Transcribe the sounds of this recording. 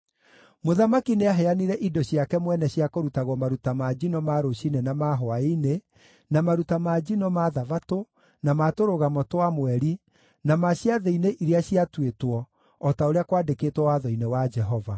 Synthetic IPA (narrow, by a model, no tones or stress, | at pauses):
moðamakineaɦɛaniɾɛʔidɔɕiakɛmwɛnɛɕiakoɾutaɣwɔmaɾutamad͡ʒinɔmaɾoɕinenamaɦoaine | namaɾutamad͡ʑinɔmaðavato | namatoɾoɣamɔtwamwɛɾi | namaɕiaðeineʔiɾeaɕiatwetwɔː | taoɾeakwaːdekeːtwɔwaðɔinewad͡ʒɛɦɔva